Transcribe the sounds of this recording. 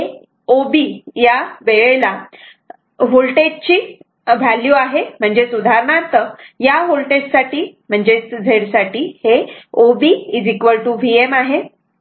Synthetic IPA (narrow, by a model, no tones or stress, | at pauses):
ɦe | obijaʋeɭela | ɦolʈet͡ɕiː | ʋæljuaɦem̤əɳd͡ʑesud̪ʱaɾɳãt̪əjaɦolʈeʈsaʈiːm̤əɳd͡ʑed͡zʱeɽsaʈiːheobiːid͡zikʋəlʈuʋiemaɦe